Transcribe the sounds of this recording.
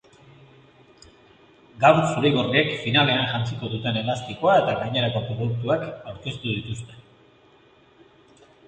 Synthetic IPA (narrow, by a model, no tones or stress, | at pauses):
ɡawɾsuɾeɣoriekfinale̞anʝant͡siko̞ðut̪e̞ne̞last̪ikoae̞t̪aɣajɲe̞ɾako̞pɾo̞ðuk̚t̪uakawɾke̞st̪uðit̪ust̪e̞